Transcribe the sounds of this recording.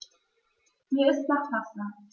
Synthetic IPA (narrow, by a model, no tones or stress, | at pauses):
hiɐɪst̚lathasa